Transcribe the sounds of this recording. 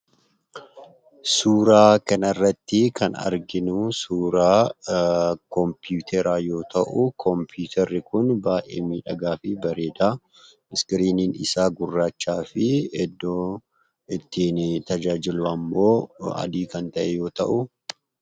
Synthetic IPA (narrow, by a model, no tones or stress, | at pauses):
suːɾaːkɐnɐɪrːɐt̪ːɪkɐnɐ̰ɾɡɪnʊsuːɾaː | kɔmpjuːt̪ʰɛɾaːjo̞ːt̪ʰɐʔʊkʰɔmpjuːt̪ʰɛɾːɪkʊnbaːʔḛːmiːᶑɐɡaːfɪbɐɾe̞ːd̪aː | mɪskɪɾiːniːnɪ̰saːɡʊrːaːt͡ʃːaːfɪɛd̪ːoː | ɪt̪ːiːnt̪ɐd͡ʒaːd͡ʒɪlʊɐmːo̞ːɐ̰d̪iːkɐnt̪ɐʔɛjo̞ːt̪ɐ̰ʔʊ